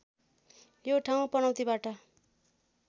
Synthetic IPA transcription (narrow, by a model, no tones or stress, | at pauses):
joʈʰaw̃pʌnaw̃t̪ibaʈʌ